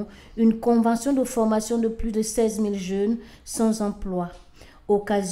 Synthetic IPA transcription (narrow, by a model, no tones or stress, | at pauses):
ynkɔ̃vɑ̃sjɔ̃d̪əfɔʁmasjɔ̃d̪əplyd̪əsɛzmilʒœn | sɑ̃zɑ̃plwa | okaz